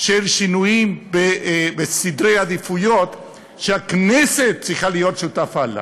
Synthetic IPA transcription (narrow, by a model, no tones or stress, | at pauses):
ʃelʃinujimbebesid̪ɾejad̪ifujot̪ | ʃeakneset̪̚t͡sʁiχalijo̞t̪ʃut̪afala̰